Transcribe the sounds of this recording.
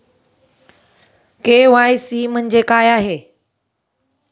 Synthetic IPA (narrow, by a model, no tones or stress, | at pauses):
keːʋaːjsiːmə̃ə̃ɲd͡ʑekaːjaːɦeː